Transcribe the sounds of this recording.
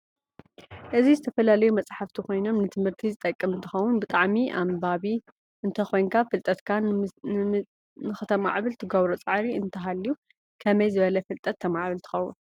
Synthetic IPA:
ʔɨzizɨt̪ʰɐfɐlalɐjumɐt͡sʼħaft̪ʰikʰo̞jno̞mnɨt̪ʰɨmhɨɾt̪ʰizɨt̪ʼɐkʼːɐmɨnt̪ʰɨxɐwʊnbɨt̪ʼaʕmiʔa̰mbaβi | ʔɨnt̪ʰɐxo̞jnkʰafɨlt̪ʼɐt̪kʰa | nɨxɨt̪ʰɐma̰ʕβɨlt̪ʰɨɡoβɾot͡sʼaʕɾiɨnt̪ʰɐɦalːiju | kʰɐmɐjzɨβɐlɐfɨlt̪ʼɐt̪ʰːɐmaʕβɨlt̪ʰɨ̥xɐwṵn

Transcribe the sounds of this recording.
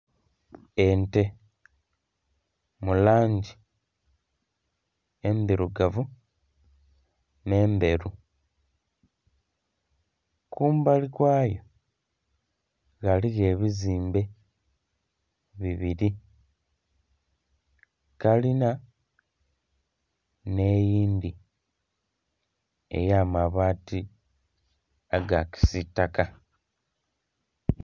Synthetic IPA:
ente̞ | mulaːɲɟi | embiɾuɡavu | ne̞ːmbe̞ɾu | kuːmbalikwaːjo | ɣaliɣe̞ːβiziːmbe̞ | βiβiɾi | kalina | ne̞ːjiːndi | e̞̰jaːmaβaːti | aɡaki̥sitːaka

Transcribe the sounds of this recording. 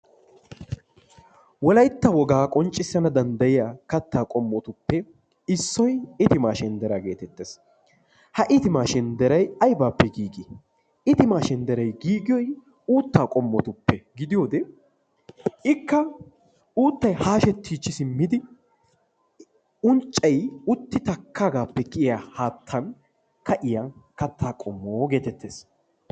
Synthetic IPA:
wɔlɐjt̪ːɐwɔɡaːkʼɔnt͡ʃʼːɪsːɐnɐd̪ɐnd̪ɐjɪjaːkɐt̪ːaːkʼɔmːɔt̪ʊpːɛ | ɪsːɔjɪt̪ɪmaːʃɛnd̪ɛɾaɡe̞̰ːt̪ɛt̪ːeːs | hɐʔɪt̪ɪmaːʃɛnd̪ɛɾɐjɐjbaːpːɛɡiːɡɪ | ɪt̪ɪmaːʃɛnd̪ɛɾɐjɡiːɡɪjɔj | uːt̪ːaːkʼɔmːɔt̪ʊpːɛɡɪd̪ɪjoːd̪ɛ | ɪkːɐ | uːt̪ːɐjhaːʃɛt̪ʰːiːt͡ʃːɪsɪmːɪd̪ɪ | ʊnt͡ʃʼːɐjʊt̪ːɪt̪ɐkʰːaːɡaːpːɛkɪɪjahaːt̪ʰːɐn | kɐʔɪjɐnkɐt̪ʰːaːkʼɔmːoːɡeːt̪ɛt̪ːeːs

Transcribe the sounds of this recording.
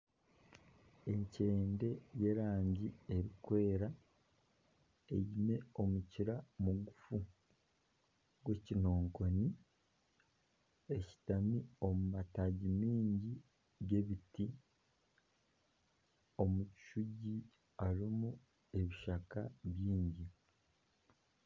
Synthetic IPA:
e̞ɲce̞ːnde̞je̞ɾaːɲɟie̞ɾikwe̞ːɾa | e̞̰ɟime̞o̞muciɾamuɡufu | ɡwe̞cino̞ːŋko̞ni | e̞ci̥tamio̞mumataɟimiːɲɟi | ɡe̞βiti | o̞muci̥ʃuɟi | aɾimu | e̞βiʃakaβjiːɲɟi

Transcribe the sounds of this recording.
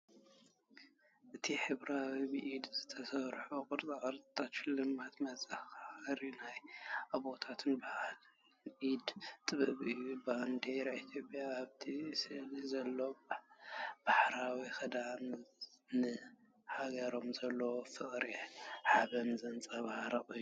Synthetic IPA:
ʔɨt̪ʰiħɨβɾawibɨʔid̪zɨt̪ʰɐsɐβɾħukʼɨɾt͡sʼaʔʼɐɾʼt̪ʰʼat̪ʃɪlːɨmat̪mɐzaxɾinajaβot̪ʰat̪ʰɨnbal | ʔid̪t̪ʼɨβɨʔβɨjubnd̪eɾait̪ʰjo̞pʼjaːβt̪ʰisɨlizɐlːo | b̥aħɾawixɨd̪amnɨ | haɡɐɾo̞mzɐlːɐwofɨχʼɾiħaβɐmzɨnt͡sʼɐβhaɾɐχʼɨjːu

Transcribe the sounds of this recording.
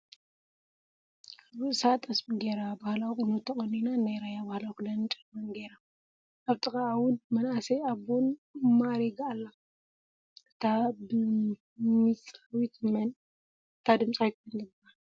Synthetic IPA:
aβɨsat̪ʼɐsmiɡeɾabahlawkʼɨnut̪ʰɐχʼɐninanajɾajabahlawklɐnt͡ʃʼɐmɐnɡeɾa | ʔaβt̪ʼɨkʼaawʊnmɐnaseaβonmaɾiɡaːlːa | ʔɨ̥t̪ʰabɨ | mit͡sʼawit̪mɐn | ɨt̪ʰad̪ɨmsʼawk̪ɐnd̪ɨba

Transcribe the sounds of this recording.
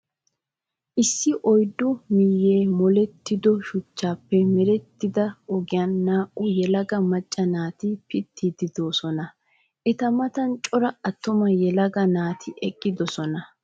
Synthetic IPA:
ʔɪsːɪʔɔjd̪ːʊmiːjeːmɔlɛt̪ːɪd̪ɔʃʊt͡ʃːaːpːɛmɛɾɛt̪ːɪd̪ɐɔɡɪjaːnːaːʔʊjɛlɐɡɐmɐt͡ʃʼːɐnaːt̪ɪpɪt̪ʰːid̪ɪd̪o̞ːsɔnɐ | ʔɛt̪ɐmɐt̪ɐnt͡ʃʼɔɾɐɐt̪ːʊmɐjɛlɐɡɐnaːt̪ʰɪʔɛkʼːɪd̪ɔsɔnɐ

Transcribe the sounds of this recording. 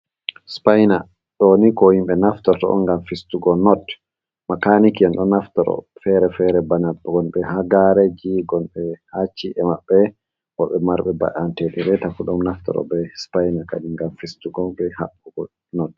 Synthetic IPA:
spajna | ɗonikɔhimɓɛnaftɔɾtɔ̰ɔ̰ŋɡamfistuɡɔnɔd | makanikiɛnɗɔnaftɔɾɔ̰fɛɾɛfɛɾɛbanabɡɔnbɛhaɡaɾɛd͡ʒiɡɔnɓɛhat͡ʃːiʔɛmaɓːɛ | ʔɔɓɛmaɾɓɛba̰ʔanteɗiɾɛtafuɗɔmnaftɔ̰ɾɔ̰bɛspajnaka̰ɗiŋɡamfistuɡɔbɛhaɓuɡɔ | nɔd̚

